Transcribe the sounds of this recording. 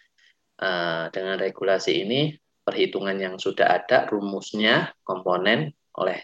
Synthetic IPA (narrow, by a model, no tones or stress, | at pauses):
ʔədəŋanreɡulasiːni | pərhit̪uŋanjaŋsuda̰ɦad̥arumusɲakɔmponɛn | ʔo̰lɛh